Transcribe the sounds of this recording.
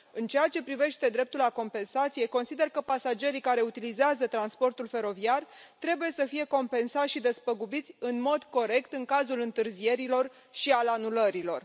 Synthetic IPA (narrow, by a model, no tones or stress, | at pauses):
ɨnt͡ʃeat͡ʃe̞pɾive̞ʃt̪e̞d̪ɾe̞p̚t̪ulako̞mpe̞nsat̪sije̞ko̞nsid̪e̞rkəpasad͡ʒe̞ɾikaɾe̞ut̪ilizeazət̪ɾanspo̞rt̪ulfe̞ɾo̞viart̪ɾe̞buje̞səfije̞ko̞mpe̞nsat̪ʲʃid̪e̞spəɡubit̪sʲɨnmo̞d̪ko̞ɾe̞kt̪ɨŋkazulɨnt̪ɨrzie̞ɾilo̞r | ʃialanuləɾilo̞r